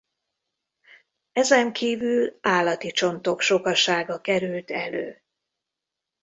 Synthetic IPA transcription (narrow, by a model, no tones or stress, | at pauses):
ɛzɛŋkʰiːvylaːlːɒt̪it͡ʃo̞nt̪o̞kʃo̞kɒʃaːɡɒkɛɾylt̪ɛlø̰ː